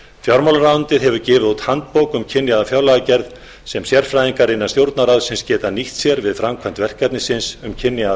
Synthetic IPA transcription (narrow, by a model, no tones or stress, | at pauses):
fjawɾmawlaɾawnt̪ɪɾɦɛvʏɾcɪːvɪðut̪hant̪̚powkʏmcʰɪnːjaðafjawlaɣacɛɾð | sɛmsjɛɾ̥fɾajðiŋkaɾɪnːast̪jowɾt̪naɾaðsɪnscɛːt̪aniht̪sjɛɾvɪðfɾamkʰvan̥t̪vɛr̥kat̪nɪsɪnsʏmcʰɪnːɪja